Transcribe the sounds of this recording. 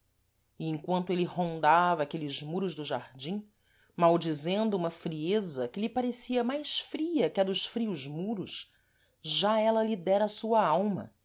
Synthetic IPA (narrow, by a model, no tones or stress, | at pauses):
iẽŋ̃kwɐ̃nt̪ʊelɪhõnd̪avɐːkelɪzmuɾʊzd̪ʊʒa̰ɾd͡ʒĩ | mawd͡ʒizẽnd̪ʊũmɐfɾiezɐkɪlɪpaɾesiɐmajsfɾiɐkɪɐd̪ʊʃfɾiuzmuɾʊʃ | ʒaɛlɐlid̪ɛɾɐsuɐawmɐ̰